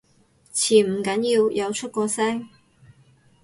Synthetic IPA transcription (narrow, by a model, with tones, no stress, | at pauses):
t͡sʰiː˨˩m̩˨˩kɐ˨˥njiː˧wjʔɐ˨˧wt͡ʃʰɵ˥t̚kʷɔː˧sɛː˥ŋ